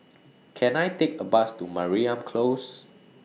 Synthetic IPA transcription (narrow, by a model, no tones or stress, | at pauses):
kʰɛ̃najtekəbastumaɹiãmkʰlos